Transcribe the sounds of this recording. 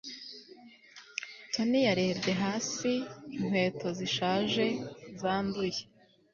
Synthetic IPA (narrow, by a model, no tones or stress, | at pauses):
tʰo̞nijaɾe̞ːbde̞ɦaːsiːŋ̥we̞ːtʰo̞ziʃaːʒe̞zaːnduje